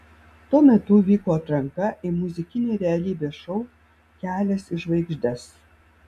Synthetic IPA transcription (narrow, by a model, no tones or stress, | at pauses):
t̪uɔmʲɛt̪ʊʋʲiːkoːɐt̪ɾɐŋkɐʔɪmʊzʲɪkʲɪnʲeːɾʲɛɐlʲiːbʲeːʃɐʊ | kʲæːlʲɛsɪʃʋɐɪɡʒʲd̪ʲɛs